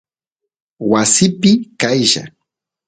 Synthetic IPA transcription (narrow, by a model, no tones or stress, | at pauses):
wasɪpɪkajʒa̰